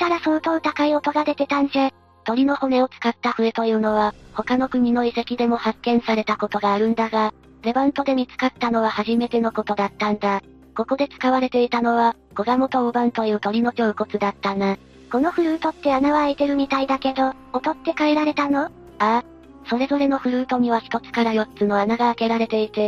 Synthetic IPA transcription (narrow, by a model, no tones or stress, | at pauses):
t̪aɾasoːt̪o̞ːt̪akaio̞t̪o̞ɡad̪e̞t̪e̞t̪ãnse | t̪o̞ɾʲino̞ho̞ne̞o̞t͡sɨ̥kat̪ːaɸɯ̟et̪o̞jɯ̟ːno̞β̞aho̞kano̞kɯ̟ɲ̟ino̞ise̞kʲid̪e̞mo̞hakːẽ̞ɰ̃saɾe̞t̪ako̞t̪o̞ɡaːɾɯ̟̃nd̪aɡa | ɾe̞bãnt̪o̞d̪e̞mʲit͡sɨ̥kat̪ːano̞β̞ahaʑime̞t̪e̞no̞ko̞t̪o̞d̪at̪ːãnd̪a | ko̞ko̞d̪e̞t͡sɨ̥kaβaɾe̞t̪e̞it̪ano̞β̞a | ɡ̥o̞ɡamo̞t̪o̞obãnt̪o̞jɯ̟ːt̪o̞ɾʲino̞t͡ɕo̞ːko̞t͡sɨd̪at̪ːana | ko̞no̞ɸɯ̟ɾɯ̟ːt̪o̞t̪ːe̞anaβaːit̪e̞ɾɯ̟mʲit̪aid̪ake̞d̪o̞ː | t̪o̞t̪ːe̞kaeɾaɾe̞t̪ano̞ | a | so̞ɾe̞zo̞ɾe̞no̞ɸɯ̟ɾɯ̟ːt̪o̞ɲ̟iβ̞açi̥t̪o̞t͡sɨ̥kaɾajo̞t͡sɨno̞anaɡaːke̞ɾaɾe̞t̪e̞it̪e